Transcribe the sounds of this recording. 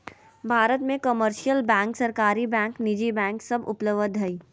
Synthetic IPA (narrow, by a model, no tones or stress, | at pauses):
bʱaːɾət̪mẽkəməɾʃijəlbɛ̃ːŋksɐɾkaːɾibɛ̃ːŋknɪd͡ʒibɛ̃ːŋksɐbʊpləʋəd̪ʱɦɐiː